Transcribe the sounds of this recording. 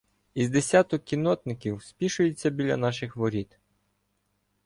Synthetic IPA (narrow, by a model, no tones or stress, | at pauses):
izd̪esʲat̪ʊkʲinɔt̪nɪkʲiwspʲiʃʊjɪt͡sʲːɐbʲilʲɐ̰nɑʃɪxʋɔɾʲit̪